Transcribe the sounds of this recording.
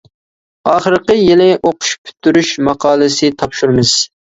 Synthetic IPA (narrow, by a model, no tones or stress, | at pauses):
ɑːχəɾqəjilɪʔoqʊ̥ʃpʰy̥t̪ʰːyɾyʃmɑqʰɑːlˠɨsɨt̪ʰɑpʃuɾmɨz̥